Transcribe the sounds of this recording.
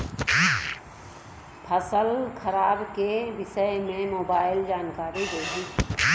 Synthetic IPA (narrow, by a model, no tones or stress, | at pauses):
pʰəsəlkʰɐɾaːbkeʋɪʃəjmẽmoːbaːɪld͡ʒaːnkaːɾid̪eɦi